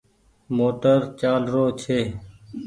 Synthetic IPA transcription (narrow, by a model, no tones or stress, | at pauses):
moːʈəɾt͡ʃaːlɾoːt͡ʃʰeː